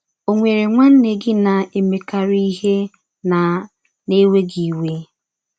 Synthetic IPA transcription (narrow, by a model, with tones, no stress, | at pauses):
o˨ŋʷe˨ɾe˨ŋʷa˦n̩˦ne˨ɡɪ˦na˨e˨me˨ka˨ɾi˦ɦe˦ | na˨ | ne˦we˦ɡi˨we˦